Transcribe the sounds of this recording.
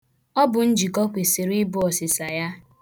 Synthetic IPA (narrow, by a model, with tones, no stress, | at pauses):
ɔ˦bʊ˨n̩˦d͡ʒi˨kɔ˦kʷe˨se˨ɾi˦bʊ˦ɔ˨sɪ˨sa˨ja˦